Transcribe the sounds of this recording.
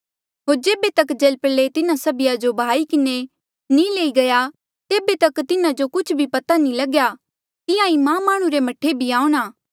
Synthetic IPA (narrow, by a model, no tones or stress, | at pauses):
ɦoːɾd͡ʒeːbet̪ɐkd͡ʒɐlpəlet̪ɪnãsɐbɪjad͡ʒobʱaːikɪne | nĩleːiɡɐja | t̪eːbet̪ɐkt̪ɪnãd͡ʒokʊt͡ʃʰbʱipɐt̪anĩlɐɡja | t̪ɪjãĩmãmaːɽ̃ũɾemɐʈʰːebʱiaːũɽ̃aː